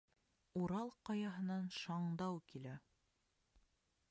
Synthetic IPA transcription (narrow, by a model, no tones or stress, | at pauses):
uɾɑlˠqɑjɑɦɤ̆nɑnʃɑɴd̪ɑwkilæ